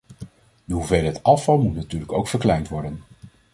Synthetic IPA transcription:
uvejlɦətɑfɑlˠmutnatyːɹləkowkfəɹklɛjntʋɔɹdən

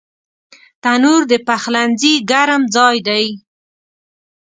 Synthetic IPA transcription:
t̪anuɾd̪əpaxlanziɡaɾamd͡zɑjd̪aj

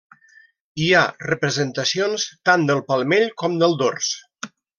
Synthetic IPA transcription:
iarəpɾəzənt̪əsionst̪and̪əlˠpəlˠmeʎkɔmd̪əlˠd̪ors

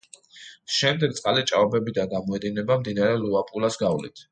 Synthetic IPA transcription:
ʃɛmd̪ɛɡ̚t̪sʼqʼalit͡ʃʼaɔbɛbid̪anɡamɔɛd̪inɛbamd̪inaɾɛluapʼulasɡavlḭt̪ʰ

